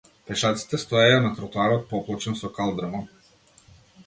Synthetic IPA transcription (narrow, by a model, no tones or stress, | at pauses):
pɛʃat̪si̥t̪ɛst̪ɔɛjanat̪ɾɔt̪uaɾɔt̪̚pɔplˠɔt͡ʃɛnsɔkalˠd̪ɾamɔ